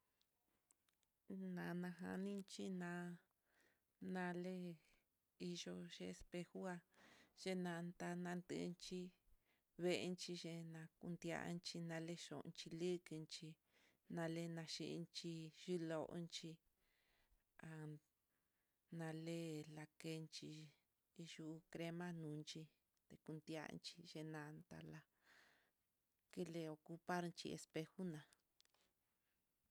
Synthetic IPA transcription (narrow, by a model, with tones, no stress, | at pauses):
nã˨nã˧ɦa̰˧nĩ˦nt͡ʃi˦nã˧˦ | nã˧le˦ | i˧ʒo˧ʒe˧e˧spe˧hu˦a˧ʒe˦nã˧nd̪a˧nã˧nd̪ɨ̰˧nt͡ʃi˧ | βe˧e˧nt͡ʃi˧ʒe˧nã˧ku˧nd̪ja̰˧ʔnt͡ʃi˧nã˧le˦ʃo̰˨ʔt͡ʃi˧lɨ˦˧ki˧nt͡ʃi˧ | nã˧le˦nã˧ʃi˧ʔnt͡ʃi˧ʒi˦lo˧ʔo̰˦nt͡ʃi˧ | a˨ | nã˧le˦la˧ke˧nt͡ʃi˧ | ʒu˦˧kɾe˧mã˦nũ˨˦˧nt͡ʃi˧ | t̪e˧˨ku˧nd̪ja̰˧nt͡ʃi̥˧ʒe˧nã˧nt̪a̰˧la˧ | ke˦le˧o˧ku˧pa˦ɾnt͡ʃḭ˧ḛ˧spe˧xu˦nã˨